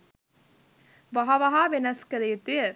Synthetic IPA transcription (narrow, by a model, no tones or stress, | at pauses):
ʋɐɦɐʋɐɦaːʋenɐskəlet̪uje